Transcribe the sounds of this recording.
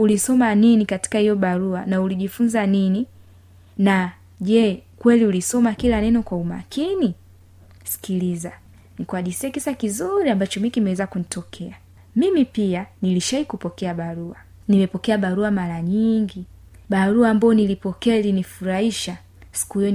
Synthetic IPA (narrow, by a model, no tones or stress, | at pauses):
ulisɔmaninikati̥kahijɔɓaɾuanauliʄifunzanini | na | ʄɛkwɛliulisɔmakilanɛnɔkwauma̰kini | si̥kiliza | nikwaɗisiɛkisakizuɾiambat͡ʃɔmikimɛwɛzakunitɔkʰɛa | mimipianiliʃaikupɔkɛaɓaɾua | nimɛpɔkɛaɓaɾuamaɾaɲiŋɡi | ɓaɾuaːmbaɔnilipɔkɛalinifuɾaiʃa | si̥kuhijɔ